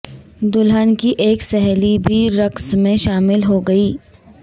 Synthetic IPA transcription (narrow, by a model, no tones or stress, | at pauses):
d̪ʊlɦənkiʔeːksɛɦlibʱiɾɐksmẽʃaːmɪlɦoɡɐiː